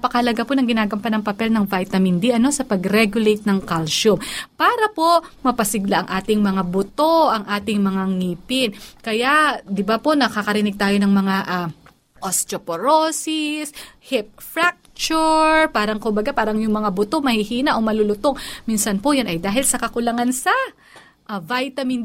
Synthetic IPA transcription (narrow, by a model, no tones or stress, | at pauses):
pɐkɐhɐlɐɡaponɐŋɡɪnaːɡɐmpɐnɐŋpɐpɛlnɐŋvajt̪ɐmɪnd̪iʔɐno̞sɐpɐɡɾɛɡjʊlejt̪̚nɐŋkalsʊmpaːɾɐpo̞mɐpɐsɪɡlaʔɐŋʔaːt̪ɪŋmɐŋabʊt̪o̞ʔɐŋʔaːt̪ɪŋmɐŋaŋiːpɪnkɐjad̪ɪbapo̞nɐkakɐɾɪnɪɡ̚t̪aːjo̞nɐŋmɐŋaʔa | ʔost̪ɾopoɾosɪshɪp̚fɾak̚t͡ʃʊɹpaːɾɐŋkʊmbɐɡapaːɾɐŋjʊŋmɐŋabʊt̪o̞mɐhihiːnɐʔo̞mɐlʊlʊt̪oŋmiːnsɐnpojanʔɐjd̪aːɦɪlsɐkɐkʊlɐŋansɐ | ʔvajt̪ɐmɪn